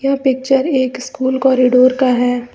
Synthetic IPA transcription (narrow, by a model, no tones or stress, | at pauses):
japɪk̚t͡ʃəɾeːkskuːlkɔːɾiɖoːɾkaɦɛː